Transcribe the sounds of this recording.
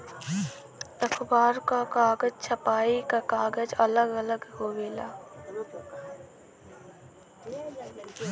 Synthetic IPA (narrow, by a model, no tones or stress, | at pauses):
t̪əkʰbaːɾkakaːɡəd͡ʒt͡ʃʰɐpaːikakaːɡəd͡ʒɐləɡələɡhoːʋeːla̰ː